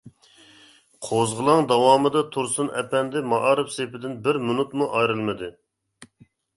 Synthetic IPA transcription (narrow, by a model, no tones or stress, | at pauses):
qʰozʁəlˠɑŋd̪ɑwɑːmɨd̪ɑt̪ʰuɾsunɛ̰pɛnd̪ɪmɑʔɑɾɨpsepɪd̪ɪnbɪɾmunut̪muʔɑjɾɨlˠmɨd̪ɨ